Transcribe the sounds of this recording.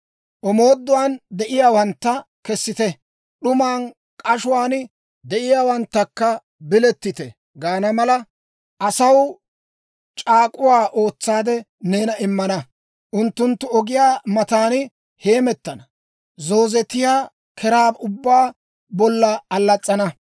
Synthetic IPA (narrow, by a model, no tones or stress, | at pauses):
ʔɔmoːd̪ːʊwaːnd̪ɛʔɪjaːwɐnt̪ːɐkɛsːɪt̪ɛ | ɗʊmaːn | kʼɐʃʊwaːn | d̪ɛʔɪjaːwɐnt̪ːɐkːɐ | bɪlɛt̪ːɪt̪ɛ | ɡaːnɐmɐlɐ | ʔɐsɐw | t͡ʃʼaːkʼʊwaːʔo̞ːt͡sːaːd̪ɛ | ne̞ːnɐɪmːɐnɐ | ʔʊnt̪ːʊnt̪ːʊɔɡɪjaːmɐt̪aːn | he̞ːmɛt̪ːɐnɐ | zo̞ːzɛt̪ːɪjaː | kʰɛɾaːbʊbːaː | bɔlːɐɐlːɐt͡sʼːɐnɐ